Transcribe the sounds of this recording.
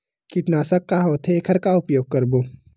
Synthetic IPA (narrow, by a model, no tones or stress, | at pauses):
kɪʈnaːsəkːaɦoːt̪ʰekʰəɾkaʊpjoːɡ̚kɐɾboː